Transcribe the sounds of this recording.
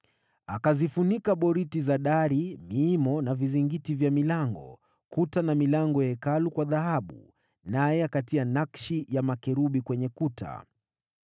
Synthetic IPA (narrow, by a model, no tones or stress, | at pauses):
akazifunikaɓɔɾitizaɗaɾimiːmɔnaviziŋɡitivjamilaŋɡɔ̰ | kutanamilaŋɡɔjɛkalukwaðaɦaɓṵ | najɛakatianakʃijamakɛɾuɓikwɛɲɛkutʰa̰